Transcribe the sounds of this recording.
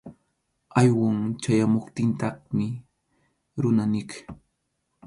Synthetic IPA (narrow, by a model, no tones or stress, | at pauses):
ajwaŋt͡ʃajamoχt̪ɪnt̪ɑχmɪ | ɾʊnanɪk